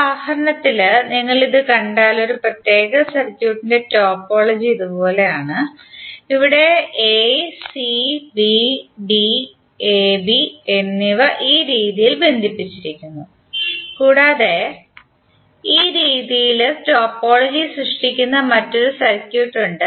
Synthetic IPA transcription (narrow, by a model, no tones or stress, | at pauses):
aːhɐɾɐɳɐt̪ːilniŋːɐɭiðɨkɐɳɖaːlo̞ɾuprɐt̪je̞ːɣɐsɐrkʲjuːʈːinde̞to̞ːpːo̞ːɭɐd͡ʑiiðupo̞ːle̞jaːɳɨ | iʋiɽe̞esibibi | ebie̞nːiʋɐʔiːɾiːðijilbe̞nd̪ʱipːit͡ɕːiɾikʲːunːu | kuːɽaːðe̞ | iːɾiːðijilto̞ːpːo̞ːɭɐd͡ʑisrɨʂʈikʲːunːɐmɐtːo̞ɾusɐrkʲjuːʈːuɳɖɨ